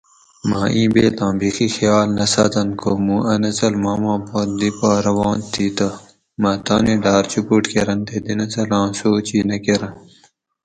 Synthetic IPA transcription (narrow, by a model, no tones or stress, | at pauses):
maːĩːbeːt̪ãːbixixjaːlnɐsɐ̰ːt̪ɐnkʰoːmũːɐnɐt͡sɐlmaːmãːpoːnd̪ipaːɾɐʋɑ̃ːnt̪iːt̪ɐ | mɐːt̪aːniɖaːɾt͡ɕupuʈkeɾɐnt̪ed̪inɐt͡sɐlɑ̃ːsoːt͡ɕiːnɐkeɾɐn